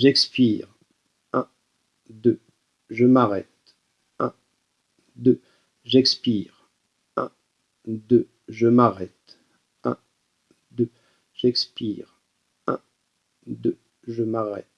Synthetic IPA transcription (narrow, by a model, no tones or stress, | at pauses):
ʒɛkspiʁ | ɛ̃ | d̪ø | ʒəmaʁɛt̪ | ɛ̃ | d̪ø | ʒɛkspiːʁ | ɛ̃ | d̪ø | ʒəmaʁɛt̪ | ɛ̰̃ | d̪ø | ʒɛkspiːʁ | ɛ̰̃ | d̪ø | ʒəmaʁɛ̰t̪